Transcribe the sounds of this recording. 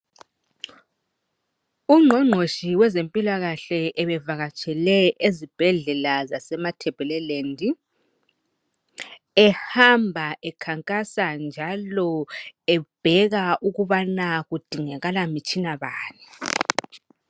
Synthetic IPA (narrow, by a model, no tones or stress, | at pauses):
uŋ͡ǃʱɔŋ͡ǃʱoʃiwɛzempʼilaɣaɬɛʔɛβɛvaɣat͡ʃʼɛlɛʔezib̥ʱɛɮɛlazasɛmatʰɛb̥ʱɛlɛlendʱi | ɛhambʱaʔɛkʰaŋkʼasand͡ʒʱalɔɛb̥ʱɛɣaʔuɣuβanaɣud̥ʱiŋɛɣalamit͡ʃʼinaβaːnɛ